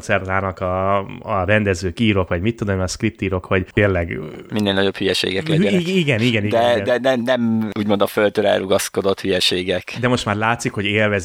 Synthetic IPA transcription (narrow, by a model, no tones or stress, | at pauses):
t̪sɛrt̪aːnɒkɒː | ɾɛnd̪ɛzøːkiːɾo̞kʋɒɟmit̪ːud̪omiɒskrip̚t̪iːɾo̞kho̞ɟt̪eːrlɛɡminːeːlnɒɟo̞phyjɛʃḛːɡɛlɛiɡɛniɡɛniɡd̪ɛɛnɛnɛmuːɟmo̞nd̪ɒfølt̪øɾɛ̰lrʔuɡɒsko̞d̪o̞t̪hyjɛʃeːɡɛkd̪ɛmo̞ʃt̪maːrlaːt̪sikho̞ɟeːlvɛz